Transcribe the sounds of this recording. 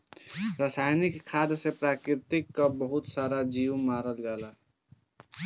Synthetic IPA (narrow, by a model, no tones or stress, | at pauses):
ɾaːsaːjnɪkʰːaːd̪sepɾaːkɾɪɾt̪ɪkːabəɦʊt̪saːɾad͡ʒiːwmaːɾəlɡɛːlaː